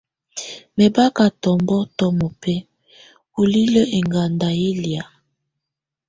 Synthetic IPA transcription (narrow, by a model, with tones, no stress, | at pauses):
me˨ba˦ka˨tɔ˨mbɔ˦tɔ˦mo˨pɛ˦ | u˨li˦lə˦ʔe˨ŋɡa˨nda˨e˦lja˨